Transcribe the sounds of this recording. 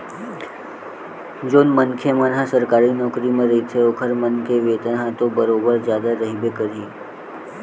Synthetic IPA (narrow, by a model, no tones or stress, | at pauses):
d͡ʒoːnmənkʰemənɦãsəɾkaːɾinɔːkɾimẽɾəɦit̪ʰeoːkʰəɾmənkeʋeːt̪ənɦãt̪obəɾobəɾd͡ʒjaːd̪aɾəɦibekəɾiː